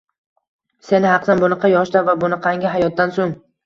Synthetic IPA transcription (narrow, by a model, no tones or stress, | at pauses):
se̞nɪhɑqsanbʊnɨqʰɑjɒʃt̪avabʊnɨqʰɑŋɡʲɪɦajɒt̪̚ːansoŋ